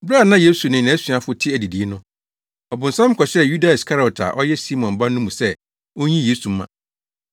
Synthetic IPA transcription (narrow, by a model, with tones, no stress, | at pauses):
bɾa˨nã˦je˦su˨nɪ̃˨ã˨˦sɥa˨fʊ˦tʰɪ˦æ˨di˨di˨˦nʊ̃˦ | ɔ˨bʊ̃˨n̩˨sã˦m˦kʰɔ˨ɕɛ˦ju˦da˨skʰa˦ɾɔ˨tʰa̰˨ʔɔ˦jɛ˦si˦mɔ̃˨m˨ba˦n˦ʊ̃˦mũ˨sɛ˦ | wo˦ɲĩ˦jeː˦su˨m˦mã̰˨